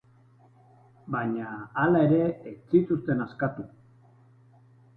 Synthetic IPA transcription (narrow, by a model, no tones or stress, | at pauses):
baɲaːlae̞ɾe̞ːt͡sit̪ust̪e̞naskat̪u